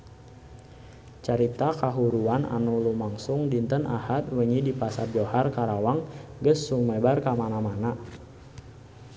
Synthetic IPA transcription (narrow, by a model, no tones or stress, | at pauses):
t͡ʃaɾit̪akaɦuɾuana̰nulumaŋsʊŋdint̪ənʔahat̪̚wəŋidipasaboharkaɾawaŋɡəsːumɛbarkamanamana